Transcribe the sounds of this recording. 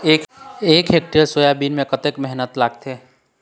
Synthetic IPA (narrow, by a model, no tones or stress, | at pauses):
eːkeːkɦeːk̚ʈiəɾsojabiːnmẽkət̪ekmɛɦnət̪laːɡ̚t̪eː